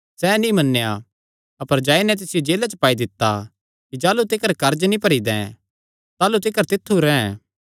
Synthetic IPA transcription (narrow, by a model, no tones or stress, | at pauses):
sɛːnĩmɐnːeja̰ | ɐpəɾd͡ʒaːinɛt̪̬ɪsɪjod͡ʒeːlat͡ʃəpaːid̪ɪt̪ːa | kid͡ʒaːlut̪ɪkəɾkɐɾd͡ʒnĩpɐɾid̪ɛ̰̃ | t̪aːlut̪ɪkəɾt̪ɪt̪ʰːuɾɛ̃ɛ̃